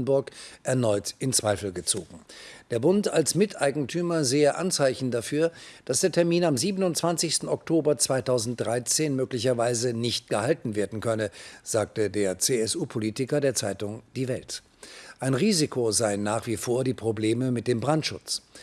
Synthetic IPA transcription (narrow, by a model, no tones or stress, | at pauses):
n̩bʊɐkʔɛɐnɔʏtʔɪnt͡sv̥aɪfl̩ɡət͡so̰ːɡŋ̩d̥eːɐbʊntalsmɪtʰʔaɪɡŋ̩tʰyːmɐzeːəʔa̰nt͡saɪçn̩dafyːɐd̥asd̥eːɐtʰɛɐmiːnamziːbənʊntt͡sv̥ant͡sɪçstn̩ɔktʰoːbɐt͡sv̥aɪtʰaʊzn̩t̚d̥ʁaɪt͡seːnmøːklɪçɐvaɪzənɪçt̚ɡ̥əhaltn̩veːɐdn̩kʰœnəz̥aːk̚tədeːɐt͡seːɛsuːpʰoliːtɪkɐdeːɐt͡saɪtʊŋd̥iːvɛlt | ʔaɪnʁiːzikʰozaɪnːaːχv̥iːfoːɐdiːpʁ̥obleːməmɪt̚d̥eːmbʁantʃʊt͡s